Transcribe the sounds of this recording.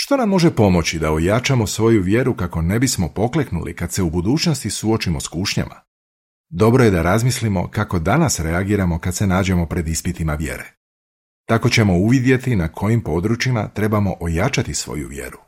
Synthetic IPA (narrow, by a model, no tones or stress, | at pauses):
ʃt̪o̞namːo̞ʒe̞po̞mo̞t͡ɕid̪aojat͡ʃamo̞sʋo̞juʋje̞ɾukako̞ne̞bismo̞po̞kle̞knṵlḭkad̪se̞ubud̪uːt͡ʃno̞st̪isuo̞t͡ʃimo̞skuːʃɲa̰ma̰ | d̪o̞bɾo̞je̞d̪aɾazmislimo̞̰kako̞d̪anasɾeaɡiːɾamo̞kad̪se̞naːd͡ʑe̞mo̞pɾe̞d̪ispit̪imaʋje̞̰ɾe̞̰ | t̪ako̞t͡ɕe̞mo̞uʋid̪je̞t̪inakʰo̞jimpo̞ːd̪ɾut͡ʃima̰t̪ɾe̞bamo̞ʔojat͡ʃat̪isʋo̞̰jṵʋje̞̰ɾu